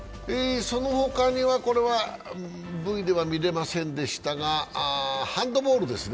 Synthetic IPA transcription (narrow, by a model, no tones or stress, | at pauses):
eso̞no̞ho̞kaɲ̟iβako̞ɾe̞βa | bɯ̟id̪e̞βamʲiɾe̞masẽ̞nd̪e̞ɕi̥t̪aɡa | hãnd̪o̞bo̞ːɾɯ̟d̪e̞sɨn